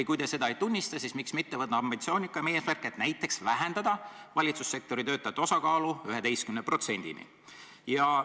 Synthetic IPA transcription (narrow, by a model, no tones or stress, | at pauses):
ikujd̪e̞se̞d̪ɑejt̪unʲːist̪ɑsismiksmit̪ːe̞vɤt̪nɑɑmbint̪sio̞ːnʲikːˑɑme̞ːsmærket̪næjt̪ːˑe̞ksvæɦend̪̥ɑd̪̥ɑvɑlʲit̪susːe̞k̚t̪o̞ɾit̪ø̞ːt̪ːˑɑt̪ːo̞sɑkɑːluyɦe̞d̪e̞jskymnepro̞t̪se̞nʲd̪̥ḭnḭ | jɑ